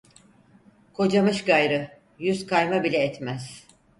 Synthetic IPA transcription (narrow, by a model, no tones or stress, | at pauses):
kʰo̞d͡ʒamɯʃɡajɾɯ | jyzkʰajmabilʲɛːt̪mæz̥